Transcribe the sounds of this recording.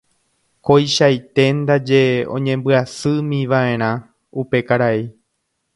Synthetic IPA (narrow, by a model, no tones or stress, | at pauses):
ko̞jʃajt̪e̞nd̪ad͡ʒe̞õ̞̰ɲẽ̞mbɨasɨmĩʋaʔẽ̞ɾ̃ã | upe̞kaɾai